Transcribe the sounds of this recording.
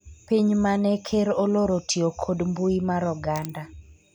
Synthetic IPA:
piɲmanɛkʰeɾoloɾotʰiokʰodmbuimaɾɔɡanda

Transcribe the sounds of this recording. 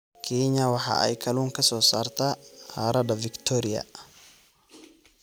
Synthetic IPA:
kʰeːɲːɐwɐħa̰ːʔɐ̰jkʰɐluːŋkɐsɔːsaːɾt̪ahaɾɐd̪ɐvɪkt̪ʰɔːɾɪjɐ̰

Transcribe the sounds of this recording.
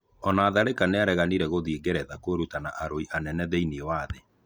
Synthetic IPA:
ɔnaːðaɾekaneaɾɛɣaniɾɛɣoðieɡɛɾɛðakweɾutana̰ʔaɾoiʔanɛnɛðeiniewaːðe

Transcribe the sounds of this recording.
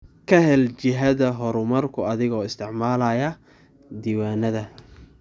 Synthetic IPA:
kʰɐɦɛlt͡ʃɪɦɐðɐɦɔɾʊmɐrkʰʊɐðɪɣɔːɪst̪ʰɪʕmaːlɐjɐ | d̪iːwaːnɐðɐ

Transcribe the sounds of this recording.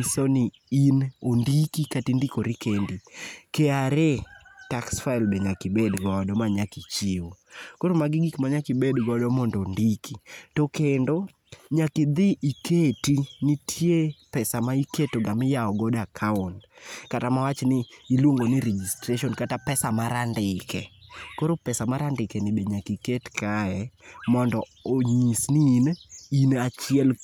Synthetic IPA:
sonɪ | inondikikatindikoɾikendikeaɾetaksfailbeɲakɪbɛdɡɔadɔmaɲakit͡ʃiokoɾomaɡɪɡikmaɲakɪbɛdɡɔɔdɔmɔndɔndikʰitokendo | ɲakɪd̪ɪʔiketinɪtʰjepɛsamaiketoɡamɪjaɔɡɔdakʰauntkatamawat͡ʃnɪːlwoŋɡonɪɾed͡ʒistɾeʃiɔnkatapɛsamaɾandɪkɛkoɾopɛsamaɾandɪkɛnɪbeɲakiketkaɛmɔndɔ | oɲisnininat͡ʃɪɛl

